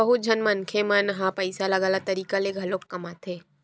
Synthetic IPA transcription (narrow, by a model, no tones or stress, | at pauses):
ɐɦʊt̪̚d͡ʒʱɐnmɐnkʰemənɦãpɐɪsalɐɡaːlat̪ɐɾiːkaleɡʱɐloːkːɐmat̪ʰeː